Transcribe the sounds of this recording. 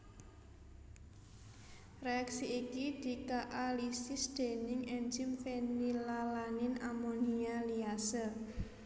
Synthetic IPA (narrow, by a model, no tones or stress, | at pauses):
reaksiikid̪̥i̤kaʔalisɪsd̪̥e̤nɪŋɛnd͡ʒɪmfenilalanɪnamɔnialiasə